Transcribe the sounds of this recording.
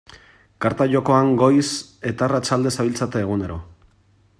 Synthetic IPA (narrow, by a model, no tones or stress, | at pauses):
kaɾt̪aʎo̞ko̞aŋɡo̞jse̞t̪aːrat͡ʃald̪e̞saβilt͡sat̪eːɣ̞une̞ɾo̞